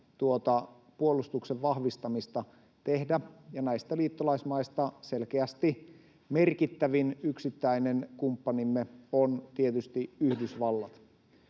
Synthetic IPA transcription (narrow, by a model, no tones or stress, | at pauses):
t̪uot̪ɑ | puolust̪ukseʋʋɑhʋist̪ɑmist̪ɑ | t̪ehdæjɑnæist̪æliːt̪ːolɑismɑist̪ɑselkeæst̪i | merkit̪ːæʋinyksit̪ːæinenkumpːɑnimːeont̪iet̪yst̪iyhdysʋɑlːɑt̪